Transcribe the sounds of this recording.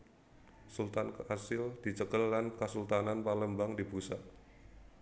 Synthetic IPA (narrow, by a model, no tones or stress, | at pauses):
sult̪ankəasɪld̪̥i̤t͡ʃəkəlːankəsult̪ananpaləmbaŋdibusa